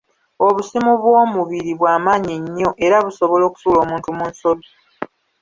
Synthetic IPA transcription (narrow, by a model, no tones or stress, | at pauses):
o̞βusimuβwoːmuβiɾiβwaːmaːɲiɲːo̞ʔe̞ɾaβuso̞βolo̞ːku̥tuːlo̞ːmuːntumuːnso̞βi